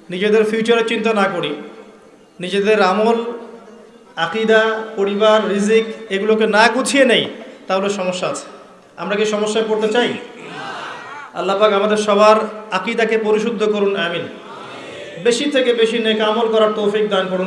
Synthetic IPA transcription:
nid͡ʑed̪eɾfʰjut͡ɕaɾet͡ɕint̪anakoɽi | nid͡ʑed̪eɾamol | aqid̪apoɾibaɾːizikeɡulokenaɡud͡ʑʱʰienejt̪aɦoleʃɔmoʃːaat͡ɕʰe̥ | a̰mɾakeʃɔmoʃːaepoɾt̪et͡ɕaj | a̰lːapakamad̪eɾʃɔbʱaɾaqid̪akepoɾiʃud̪ʱːokoɾunamin | beʃit̪ʰekebeʃinekamolkɔɾaɾt̪owfik̚d̪ankoɽun

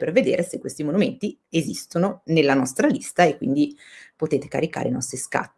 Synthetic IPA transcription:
perved̪ḛːɾesekːwest̪imonument̪iezist̪ononelːanɔst̪ɾalist̪aekːwḭnd̪ipot̪eːt̪e̥ka̰ɾika̰ːɾḛinɔst̪ɾiska̰t̪ː

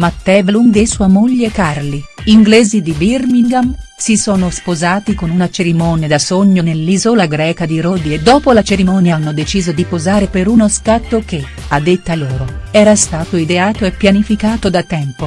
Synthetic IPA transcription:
mat̪ːɛːvlund̪esuːamoʎːekarliiŋɡlɛːzid̪ibirmiŋɡamsisoːnospozaːt̪ikonunat͡ʃeɾimɔːnjad̪asoɲːonelːizolaɡɾɛːkad̪iɾoːd̪ied̪ːɔːpolat͡ʃeɾimɔːnjaanːod̪et͡ʃiːzod̪ipozaːɾepeɾunoskat̪ːoke | ad̪ːet̪ːaloːɾoɛːɾast̪aːt̪oid̪eaːt̪oepːjanifikaːt̪od̪at̪ːɛmpo

